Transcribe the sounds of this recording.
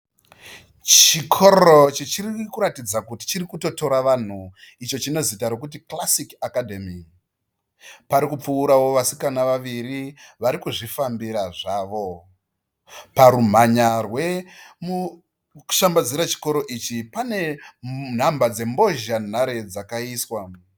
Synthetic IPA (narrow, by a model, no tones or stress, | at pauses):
t͡ʃikʰo̞ɾot͡ʃet͡ʃirikuɾatid͡zakuti̥t͡ʃirikuto̞to̞ɾaʋan̤uit͡ʃo̞t͡ʃino̞zitaɾokut̬iklasikakadʱemi | paɾikup͡fuuɾawo̞ʋasikanaʋaʋiɾiʋaɾikuʐifambiɾaʐaːʋo̞ | paɾum̤aɲarwe̞mu̥ | ʃambad͡ziɾat͡ʃi̥ko̞ɾo̞ʔit͡ʃipane̞n̤ambad͡ze̞mbo̞ʒan̤aɾe̞d͡zakaiːswa